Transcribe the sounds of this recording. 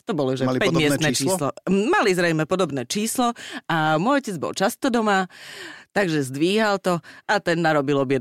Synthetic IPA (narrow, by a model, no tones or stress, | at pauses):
t̪ɔbɔlɔʒɛalpɛmmɪɛsnɛːt͡ʃiːlːlɔmalizɾɛjmɛpɔd̪ɔbnɛːt͡ʃiːslɔamʊɔjɔcɛd͡zbɔ̰lt͡ʃast̪ɔd̪ɔmat̪aɡʒɛzd̪ʋiːɦalt̪ɔat̪ɛnːaɾɔbilɔbjɛd̪